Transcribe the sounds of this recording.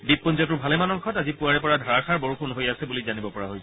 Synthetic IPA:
bipːɔnzɔt̬ʊɹbʱalɛmanɔŋkʰɔtazipuaɹɛpɔɹadʱaɹakaɹbɔɹukunɦojasɛbulizanibɔpɔɹaɦoj

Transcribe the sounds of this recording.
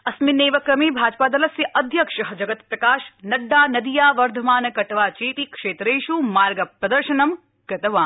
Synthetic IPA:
ɐsmineːʋɐkɾɐmibʱaːd͡ʒpaːd̪ɐlɐsjɐʔɐd̪ʱjɐkʂɐɦɐd͡ʒɐɡɐt̪pɾɐkaːʃnɐɖːaːnɐd̪ijaːʋɐɾd̪ʱɐmaːnɐkɐʈʋaːt͡ʃiːt̪ikʂeːt̪ɾeːʃumaːɾɡɐpɾɐd̪ɐɾʃɐnɐm | kɾɐt̪ɐʋaːn

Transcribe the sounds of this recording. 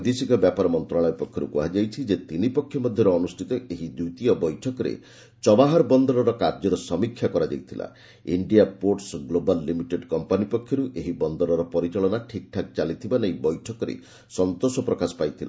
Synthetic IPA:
d̪esikɔbjapaɾɔmɔnt̪ɾaɭ̃ɔjpɔkʰːjɔɾṵkuɦad͡ʒajt͡ʃʰid͡ʒet̪inipɔkʰːjɔmɔd̪ʱjɔɾɔːnusʈʰit̪ɔʔeɦid̪ut̪ijɔbɔjʈʰɔkɔɾḛ | t͡ʃɔbaɦaɾbɔnd̪ɔɾɔɾɔkaɾd͡ʒɔɾɔsɔmikʰːjakɔɾad͡ʒa̰jt̪ʰila̰ | iɳɖijapoɾʈsɡlobalːimiʈeɖkɔmpanipɔkʰːjɔɾuʔeɦibɔnd̪ɔɾɔɾɔpɔɾit͡ʃaɭɔnaʈʰik̚ʈʰak̚t͡ʃalit̪ʰibanɔibɔjʈʰɔkɔɾḛ | sɔnt̪osɔpɾɔkasɔ̥pajt̪ʰila̰

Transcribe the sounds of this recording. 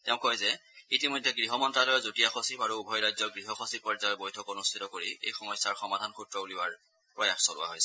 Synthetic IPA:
tɛʊ̃kɔjzɛitimojdʱːɛɡɹiɦɔmɔntɹalɔjɔzotijaxosipaɹuːbʱɔjɹajzɔɡɹiɦɔxɔsipːɔɹzajɔbojtʰɔkonustʰitɔkoɹiḛjxɔmɔjsːaɹxɔmadʱankʰutɹɔuliwaɹ | pɹɔjaxsɔlʊwa̰ɦojsɛ

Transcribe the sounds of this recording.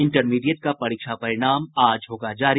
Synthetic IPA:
ɪ̃ɳʈəɾmiːɖijəʈ̚kapɐɾiːkʃapɐɾɪɽ̃aːmaːd͡ʒɦoːɡad͡ʒaːɾi

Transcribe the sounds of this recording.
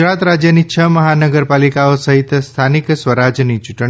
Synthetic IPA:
ɾat̪ɾad͡ʒjənit͡ʃʰəməɦanəɡəɾpalikaosəɦit̪st̪ʰaniksʋəɾad͡ʒnit͡ʃuʈ

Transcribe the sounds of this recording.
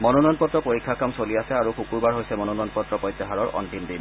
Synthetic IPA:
mɔnɔnɔɔnpɔt̪ɹɔpoɹikʰːakamsoliasɛaɹuxukuɹbaɹɦojsɛmɔnɔnɔjɔnpɔt̪ɹɔpɔjt̪ːɛɦaɹɔɹʔɔ̰ntimdim

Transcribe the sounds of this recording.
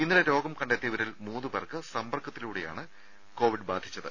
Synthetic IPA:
inːileɾo̞ːɡɐmkɐɳɖet̪ːiɐʋɐɾilmuːðubɐrkɨsɐmbɐrkʰːɐt̪ːiluːɽeja̰ːɳɨ | ko̞ːʋiɖbaːd̪ʱit͡ɕːɐðɨ̰

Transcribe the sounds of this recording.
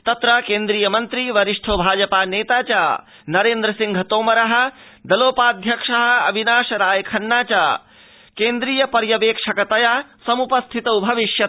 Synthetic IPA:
t̪ɐt̪ɾɐkeːnd̪ɾiːjɐmɐnt̪ɾiʋɐɾiʂʈʰoːbʱaːd͡ʒɐpaːneːt̪aːt͡ʃaː | nɐɾeːnd̪ɾɐsiŋɡʱɐt̪oːmɐɾɐɦɐ̆ | d̪ɐloːpaːd̪ʱjɐkʂɐɦɐ̆ɐbʱinaːʃɐɾaːjɐkʰɐnːaːt͡ʃaː | keːnd̪ɾiːjɐpɐɾjɐʋeːkʂɐkɐt̪ɐjaːsɐmupɐst̪ʰit̪ɐubʱɐʋiʃjɐ

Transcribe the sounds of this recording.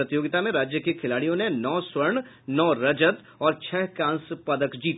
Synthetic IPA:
ɐt̪ɪjoːɡɪt̪amẽɾaːd͡ʒjəkekʰɪlaːɽijõnenɔːswɐɾɳ | nɔːɾɐd͡ʒət̪ | ɔːɾt͡ʃʰɛɦkãːnspɐd̪əkd͡ʒiːt̪

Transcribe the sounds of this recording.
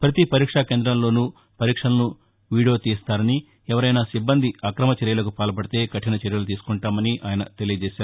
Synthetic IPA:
pɾɐt̪ipɐɾiːkʂake̞ːnd̪ɾɐmlo̞ːnuː | pɐɾiːkʂɐlɐnu | ʋiːɽijoːt̪iːst̪aːɾɐni | ɛʋɐɾɐjnaːsibːɐnd̪ʱiɐkɾɐmɐt͡ʃɛɾjɐlɐkupaːlɐp̬ɐɽit̪e̞ːkɐʈːinɐt͡ʃɛɾjɐlut̪iːsu̥kuɳʈaːmɐniʔaːjɐnɐ̰t̪e̞lijɐd͡ʒeːʃaːɾu

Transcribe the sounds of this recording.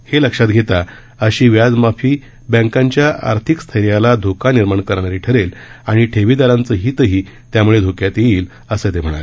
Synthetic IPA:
heləkʂat̪̚ɡʱet̪a | əɕiːʋjad͡zmafiː | bə̃ŋkãɲt͡ɕjaʔa̰ɾt̪ʰikst̪ʰəɾjalad̪ʱokaniɾmaɳkəɾɳ̃aɾiːʈʰəɾelaɽ̃iʈʰeʋiːd̪aɾãnt͡səːɦiːt̪əɦiː | t̪jamuɭed̪ʱokjat̪jeiːl | əset̪em̤əɽ̃a̰le

